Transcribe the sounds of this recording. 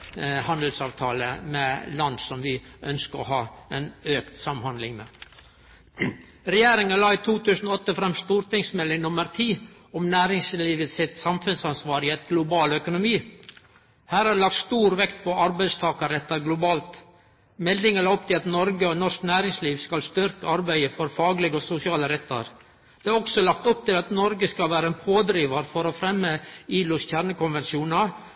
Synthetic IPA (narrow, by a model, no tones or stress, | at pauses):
hɑnd̪əl̩sɑːʋt̪ʰɑːlə̰mɛlɑnd̪sɔmʋɪʔœnskəɾɔ̰hɑːɛnøːkt̪sɑmhɑnd̪lɪŋmɛ̰ | ɾɛjeːɾɪŋəlɑːɪt̪ʰuːt̪ʉːsənɔɔt̪ːəfɾɛmst̪uːɾt̪ɪŋsmɛlːɪŋnʊməɾt̪ʰiː | ɔmnæːɾɪŋsliːʋəsɪt̪sɑmfʉnsɑnsʋɑːɾɪɛt̪ɡlʊbɑːlœkʊnʊmiː | hæːɾɑlɑk̚t̪st̪uːɾʋɛkt̪̚pʰɔɑɾbæɪst̪ʰɑːkɑɾɛt̪ːɑɾɡlʊbɑːlt̪ | mɛld̪ɪŋəæɾɔpt̪ʰɪlɑt̪nɔɾɡəɔnɔʂknæːɾɪŋsliːʋskɑlst̪ʏɾkəɑɾbæɪəfɔɾfɑːɡlɪɡəɔsʊsɪɑːləɾɛt̪ːɑ̰ɾ | d̪̥ɛæɾɔksɔlɑk̚t̪ɔp̚t̪ɪlɑt̪nɔɾɡəskɑlʋæːɾəɛnpʰoːd̪ɾiːʋɑɾfɔɾɔfɾɛmːəiːlʊsçæɾɳəkʊnʋɛnsuːnɑ